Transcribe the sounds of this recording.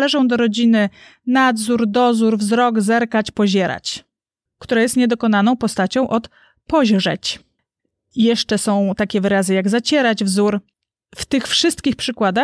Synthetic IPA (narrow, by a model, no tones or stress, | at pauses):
lɛʐɔ̃w̃d̪ɔɾɔd͡ʑinɘ | nad̪zuɾd̪ɔzuɾvzɾɔɡzɛɾkat͡ɕpɔʑɛɾa̰t͡ɕ | kt̪uɾajɛst̪ɲɛd̪ɔkɔnanɔ̃w̃pɔst̪at͡ɕɔ̃w̃ʔɔt̪ | pɔʑʐɛ̰t͡ɕ | jɛʂt͡ʂɛsɔ̃w̃t̪akʲɛvɘɾazɘjaɡzat͡ɕɛɾad͡ʑvzuɾ | ft̪ɘxfʂɘst̪kʲixpʂɘkwad̪a